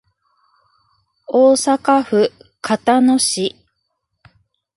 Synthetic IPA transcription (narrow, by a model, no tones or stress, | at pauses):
oːsakaɸɯ̟kʰat̪ano̞ɕi